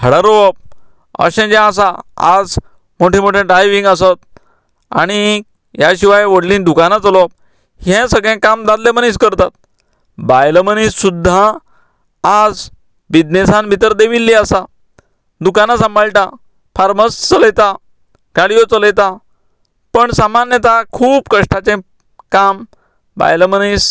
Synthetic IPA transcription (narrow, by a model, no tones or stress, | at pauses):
ɦəɽaɾoɔp̚ | ə̰ɕɛ̃d͡ʑãas̬aa̰d͡z | moʈʰemoʈʰẽɖɾajʋĩŋɡəsət̪ | a̰ɽ̃i | jaɕiʋajʋəɽlĩːnd̪ukanat͡səlɔp̚ | hɛ̃səɡɭɛ̃kamd̪ad̪lemənĩskəɾt̪at̪̚ | bajləmənĩssud̪ʱːaː | d͡z | ʋid̪nesãnbʱit̪əɾd̪eʋilːiasa | d̪ukanasəmbʱaɭʈa | faɾməst͡sələjt̪a | kaɽijot͡sələjt̪a | pəɳsamanjət̪akʰuːbkəʂʈʰat͡sẽ | kam | ba̰jləmənis